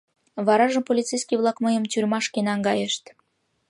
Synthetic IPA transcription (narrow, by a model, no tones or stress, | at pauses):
βɑɾɑʒə̆mpolʲit̪t͡sejskʲiβlˠɑkməjə̆mt̪yrʲmɑʃkenɑŋɡɑjeʃt̪